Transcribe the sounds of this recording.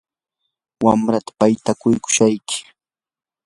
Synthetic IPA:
wamɾat̪ḁpajt̪akʊjkʊ̥ʃajkɪ̥

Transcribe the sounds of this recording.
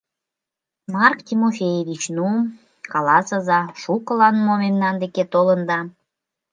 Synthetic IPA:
mɑrkt̪ʲimofʲejeβit͡ɕnum | kɑlɑsəzɑʃukəlɑnmomemnɑnd̪eket̪olənd̪ɑ

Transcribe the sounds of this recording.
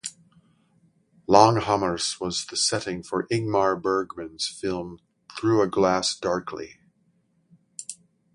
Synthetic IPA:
lɔ̃ŋhʌmə˞swʌzðɨsɛɾɪ̃ŋfə˞ʔɪɡ̚mɑɹbɜ˞ɡmɨ̃nz̥fɪlˠm | θɹʉɨɡlæsd̥ɑɹkʰlḭ

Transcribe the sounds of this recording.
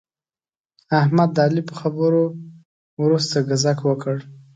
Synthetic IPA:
ahmad̪ːɑlipəxabəɾo | wɾust̪aɡazakwəkəɽ

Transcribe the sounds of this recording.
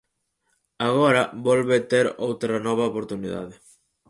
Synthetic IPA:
aɣɔɾɐbɔlβet̪eɾowt̪ɾɐnɔβ̞ɐopoɾt̪uniða̰ðe

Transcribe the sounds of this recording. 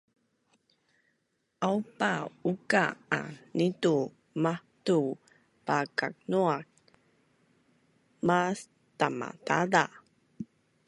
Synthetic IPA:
ʔawpaukaa̰nitu | mahtu | pakak̚nuak̚ | mas | tama̰tala

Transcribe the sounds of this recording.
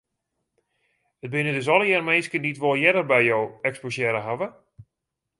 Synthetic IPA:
ət̚bɪnədʏsɔlˠəjɛrmejskənditʋolˠjɛdərbɛjjowɛksposjɛɾəɦaʋə

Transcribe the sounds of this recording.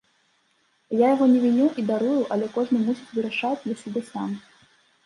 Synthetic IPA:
jajaɣɔnʲɛvʲinʲuʔid̪aɾujuʔɐlʲɛkɔʐnɨmusʲit͡sʲvɨɾaʂat͡sʲjɛsʲibʲɛsam

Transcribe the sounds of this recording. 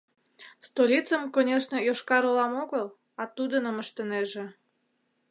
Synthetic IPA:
st̪olʲit͡səmkonʲeʃnəjoʃkɑɾolɑmoɣəl | ɑt̪ud̪ənəməʃt̪əneʒĕ

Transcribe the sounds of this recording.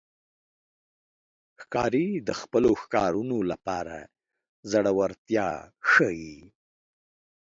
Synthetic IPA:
xkɑɾid̪əxpəloxkɑɾunolapɑɾa̰ | zaɽawaɾt̪jɑ̰xəji

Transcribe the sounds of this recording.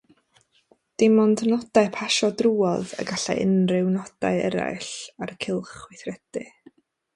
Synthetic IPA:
d̥ɪmɔndnɔd̥aɨpʰaʃɔdruːɔðə̰ɡaɬa̰jʔə̰nrɪwnɔd̥a̰ɨɛɾa̰jɬarkʰɪlˠχwɪθrɛd̥ɨ̰

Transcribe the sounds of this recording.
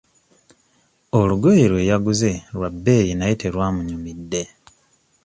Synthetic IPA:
oluɡojeɾwe̞ːjaɡuze̞ɾwabːe̞ːjinajiteɾwaːmuɲumidːe̞

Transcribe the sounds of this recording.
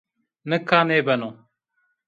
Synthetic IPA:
nəkːãːneːbənõː

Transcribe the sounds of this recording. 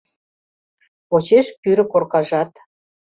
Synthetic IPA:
ot͡ɕeʃpyɾɘ̆korkɑʒɑt̪

